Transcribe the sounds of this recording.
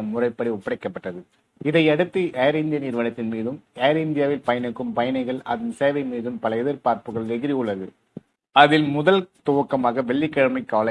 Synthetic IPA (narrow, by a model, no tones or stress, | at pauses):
ɐmʊrɐɪpːɐɽiʊpːɐɽɐɪkːɐpːɐʈːrɐðɯ | ɪðɐɪɐɽɯt̪ːɯʔɛːɾɪnd̪ɪjɐniːɾʋɐnɐt̪ːɪnmiːðɯmɛːɾɪnd̪ɪjaːʋɪlpɐjɐnɯkːɯmpɐjɐnɐɪɣɐɭɐ̰ðɪnseːʋɐɪmiːðɯmpɐlɐɛðɪɾpaːɾpɯɣɐɭʋɛɣɪɾijɯɭːɐðɯ | ɐðɪlmʊðɐlt̪oːɐkːɐmaːɣɐʋɛɭːɪkːɐɽɐmɐɪkːaːlɐ